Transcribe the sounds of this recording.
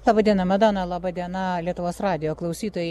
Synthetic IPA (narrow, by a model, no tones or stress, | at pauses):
lˠɑːbɐd̪ʲiɛnɐmʲɐd̪oːnɐlˠɑbɑd̪ʲiɛnɐlʲiɛt̪ʊʋoːsrɑːd̪ʲɪjoːklˠɐʊsʲiːt̪oːjɛ